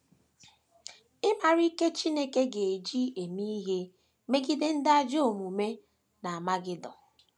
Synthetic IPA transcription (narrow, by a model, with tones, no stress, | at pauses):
ɪ˦ma˨ɾi˦ke˦t͡ʃi˦ne˦ke˦ɡe˨e˨d͡ʒi˦e˨mi˦ɦe˦ | me˦ɡi˦de˦n̩˦da˦d͡ʒo˦o˨mu˨me˦ | na˨a˨ma˦ɡɪ˦dɔ˨